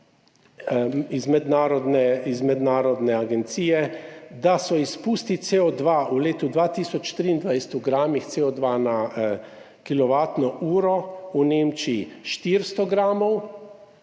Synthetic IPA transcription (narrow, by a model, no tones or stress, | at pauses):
izmɛd̪naːɾɔd̪nɛizmɛd̪naːɾɔd̪nɛaɡɛnt̪siːjɛd̪asɔispuːst̪it̪seɔd̪ʋauleːt̪ud̪ʋaːt̪iːsɔt͡ʃʃt̪ɾiːnd̪ʋajsɛt̪uɡɾaːmixt̪seɔd̪ʋana | kilɔʋaːt̪nɔʔuːɾɔuneːmt͡ʃiːʃt̪iɾst̪ɔɡɾaːmɔw